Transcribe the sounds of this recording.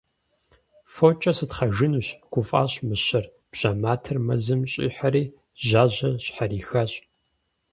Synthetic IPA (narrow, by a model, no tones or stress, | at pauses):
fot͡ʃʼɐsɨtχɐʒɨnuːɕɡʷʊfʼa̰ːɕmɨɕɐr | b̥ʑ̥aːmaːtʰɐrmɐzɨmɕʼḭːħaɾiː | ʑaːʑɐɕħaɾiːxɐɕʼ